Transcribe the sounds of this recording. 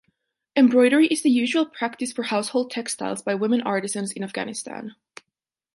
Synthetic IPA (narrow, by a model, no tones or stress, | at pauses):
ɛ̃mbɹɔɪɾə˞iʔɨzðɨjʉʒwl̩ˠpʰɹ̥æk̚tɨsfə˞haʊshoʊlˠd̚tʰɛkstʰa̰ɪlˠzbaɪwɪ̃mɨ̃nɑɹɾɨzə̃nzɨ̃næfɡ̥æ̰nɨstæ̰̃n